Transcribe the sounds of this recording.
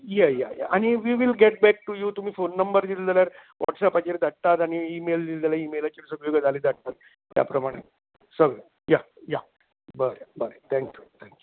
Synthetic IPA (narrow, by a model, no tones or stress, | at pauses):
jɛja̰ja̰ʔaɽ̃iʋiʋilɡeʈ̚bæk̚ʈujuːt̪um̤iːfonːəmbəɾd̪ildaljaɾʋɔ̰ʈsɛpat͡ɕeɾd̪ʱaʈ̚t̪at̪aɽ̃iːmeld̪ild͡zalaimelat͡ɕiɾsəbjoɡəd͡zalid̪ʱaʈ̚t̪at̪̚ː | ja̰pɾəmaɽ̃e | səɡɭə | ja | ja | bəɾjabəɾt̪ʰɛ̃ŋkjut̪ʰɛ̃ŋkju